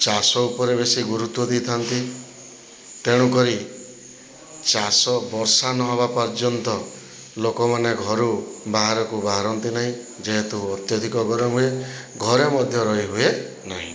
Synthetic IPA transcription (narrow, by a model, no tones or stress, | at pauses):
t͡ʃasɔupɔɾeβesiɡuɾut̪wɔd̪it̪ʰant̪i | t̪eɽ̃ukɔɾi | t͡ʃasɔbɔɾsanɔɦɔbapɔɾd͡ʒɔnt̪ɔ | lokɔmaneɡʱɔɾubaɦaɾɔkubaɦaɾɔnt̪inaɦĩ | d͡ʒeɦet̪uɔt̪jɔd̪ʱikɔɡɔɾɔɦueɡʱɔɾemɔd̪ʱjɔɾɔɦiɦue | naɦḭ̃